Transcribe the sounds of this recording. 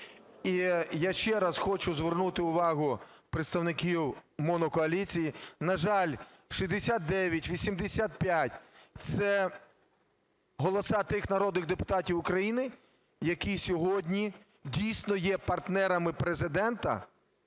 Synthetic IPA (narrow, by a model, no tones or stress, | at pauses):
ijaʃt͡ʃɛɾɐsxɔt͡ʃʊzʋernut̪ɪʊʋɑɦʊpɾeɪt̪st̪ɐwnɪkʲiwmɔnɔkɔɐlʲit͡sʲijinɐʒɑlʲ | ʃizʲd̪esʲat̪̚d̪ɛʋʲjɐtʲʋʲisʲimd̪esʲat̪̚pʲjatʲt̪sɛ | ɦɔlˠɔsɑt̪ɪxnɐɾɔd̪nɪɣd̪epʊ̥t̪ɑtʲiwʊkɾɐjinɪ | jɐkisʲɔɦɔdʲnʲi | dʲijsʲnɔjɛpɐrt̪nɛɾɐmɪpɾezɪd̪ɛnt̪ɐ̰